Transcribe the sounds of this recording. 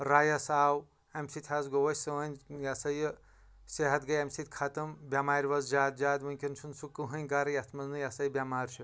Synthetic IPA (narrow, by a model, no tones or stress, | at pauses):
ɾajɐsaːw | ɐmsit̪ʰazɡowɐsʲsɐɐnʲjɐsɐj | seɦɐt̪ɡɐjɐmsit̪̚ʲkʰat̪ɐmbʲamaːɾʲʋɐzd͡ʒaːd̪̚d͡ʒaːd̪ʋɐnʲkʲinsʰunsukːɨɦɐnʲɡaɾɐjɐt̪ʰmɐznɨjɐsɐjbʲamaːɾt͡ʃʰu